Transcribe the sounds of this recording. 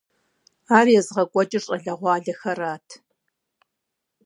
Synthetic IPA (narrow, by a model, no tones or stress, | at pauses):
aːrjɛzʁɐkʷʼɔt͡ʃʼɪrʂʼɐɮɐʁʷɑːɮɐxɐraːtʰ